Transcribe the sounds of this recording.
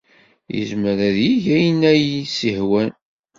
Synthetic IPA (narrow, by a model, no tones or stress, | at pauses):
jə̰zməɾæðjiʝæjnæjisihwæn